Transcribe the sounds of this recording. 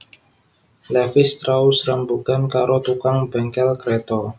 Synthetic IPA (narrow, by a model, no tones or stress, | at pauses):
lɛfɪst̪ɾausrəmbukankaɾʔot̪ukaŋbɛŋkɛlkɾɛt̪ɔ